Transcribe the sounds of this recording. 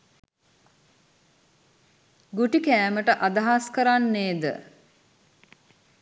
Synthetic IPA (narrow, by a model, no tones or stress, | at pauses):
ɡuʈikæːməʈəʔad̪aɦaskəɾanːeːd̪ə̰